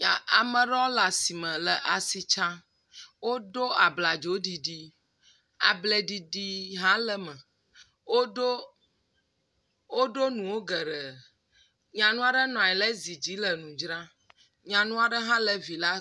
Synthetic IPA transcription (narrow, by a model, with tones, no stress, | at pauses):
a˨a˨mə̃˨ɖɔ̃˦la˨si˨mɛ̃˨lə˨ʔa˨si˨t͡ʃã˦ | wo˦ɖo˦a˨bla˨d͡ʒo˨˦ɖi˨ɖi˦ | a˨blɛ˦ɖi˨di˦ɦã˦lə˦mɛ̃˨ | wo˦ɖo˦ | o˦ɖo˦nũ˨wo˦ɡə˨ɖə˨ | ɲã˨nũ˦a˨ɖə˦nɔ̃˨a˨ɛ˨lɛ˦zi˨d͡ʑi˨˦lə˨nũ˨d͡ʒɾã˦ | ɲã˨nũ˦a˨ɖə˦ɦã˦lə˦vi˨la˦